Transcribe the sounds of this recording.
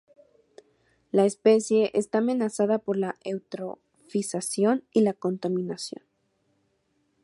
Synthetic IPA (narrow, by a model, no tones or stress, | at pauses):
laespe̞sje̞ʔest̪aːme̞nasaðapo̞ɾlaewt̪ɾo̞ | fisasjo̞nilako̞nt̪amĩnasjo̞̰n